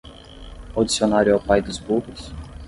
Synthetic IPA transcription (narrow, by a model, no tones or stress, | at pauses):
awd͡ʒisionaɾjʊawpajd̪ʊzbuhʊs